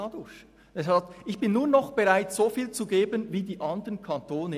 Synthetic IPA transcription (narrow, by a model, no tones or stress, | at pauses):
ɑdʊç | d̥ɛsɑltʔɪçb̥ɪnːuːɐnɔχb̥ɛʁaɪtz̥oːfiːlt͡suɡeːbənviːdiːʔɑnd̪əənkʰɑntoːnə